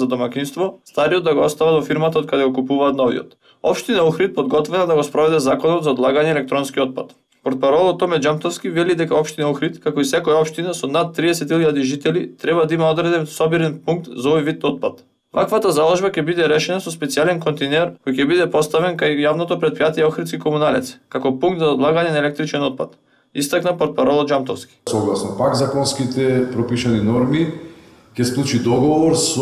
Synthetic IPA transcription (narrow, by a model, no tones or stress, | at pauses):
ad̪omakinst̪vɔst̪aɾijɔd̪d̪aɡoɔst̪avad̪ɔfiɾmat̪aot̪̚kad̪ɛɡɔkupuvaːt̪nɔvḭɔ̰t̪ | ɔ̰pʃt̪inauxɾit̪̚pɔd̪ɡɔt̪vɛnad̪aɡospɾɔvɛd̪ɛzakɔnɔt̪zaɔd̪lˠaɡaɲɛːlɛkt̪ɾɔnskiɔt̪̚pat̪ | pɔɾt̪̚paɾɔlˠɔt̪ːɔmɛd͡ʒamt̪ɔfskivɛlid̪ɛkaɔpʃt̪inauxɾit̪kakoisɛkɔjaɔpʃt̪inasɔnat̪̚ːɾiɛsɛt̪ilʎad̪iʒit̪ɛlit̪ɾɛbad̪aimaɔd̪ɾɛd̪ɛnsɔbiɾɛnpuŋk̚t̪zaɔvɔjvit̪̚nɔt̪̚pat̪ | va̰kvat̪azalˠɔʒbakɛbid̪ɛɾɛʃɛnasɔspɛt̪sialɛnkɔnt̪ɛnɛɾkojcɛbid̪ɛpɔst̪avɛnkajːavnɔt̪opɾɛt̪̚pɾijat̪ijɛɔxɾit̪skikomunalɛt̪sɛ̥kakɔpuŋɡkt̪zaɔd̪lˠaɡaɲɛnaɛlɛk̚t̪ɾit͡ʃɛnɔt̪̚pa̰t̪ | ist̪aknapɔɾt̪̚paɾɔlˠɔd͡ʒamt̪ɔfskʲi̥sɔɡlˠasnɔpakzakɔnskit̪ɛpɾɔpiʃaninɔɾmi | cʲɛsklˠut͡ʃid̪ɔɡɔvɔɾs